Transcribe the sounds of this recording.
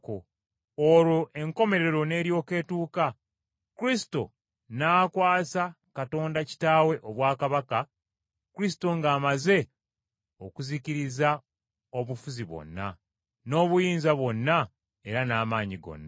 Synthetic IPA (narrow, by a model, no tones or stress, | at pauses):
ko | oɾoʔe̞ŋko̞me̞ɾe̞ɾo̞ne̞ːɾjo̞ːke̞ːtuːka | kuɾisi̥to̞̰ | naːkwaːsa | kato̞ːndaci̥taːwe̞ʔoβwaːkaβaka | kuɾis̬i̥to̞ŋɡaːmaze̞ | o̞kuziciɾiza | o̞βufuziβwo̰nːa̰ | no̞ːβujiːnzaβwo̞nːa | e̞ɾanaːmaːɲiɡo̰nːa